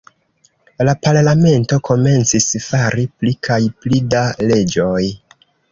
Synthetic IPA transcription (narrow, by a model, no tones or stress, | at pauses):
lapaɾlame̞nto̞kʰo̞me̞nt͡sisfaɾiplikʰajplidale̞d͡ʒo̞j